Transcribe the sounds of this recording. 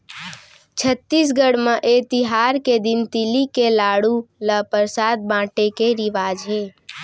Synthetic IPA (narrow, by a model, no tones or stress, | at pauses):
t͡ʃʰət̪ːis̬ɡəɽmeʔet̪ɪɦaːɾked̪ɪnt̪ɪlikelaːɽuləpəɾsaːd̪̚bãːʈekeɾɪʋaːd͡ʒɦeː